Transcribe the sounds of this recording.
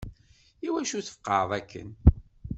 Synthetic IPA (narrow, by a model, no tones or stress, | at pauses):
iwæʃuθə̥fqːɑðˤækːə̰n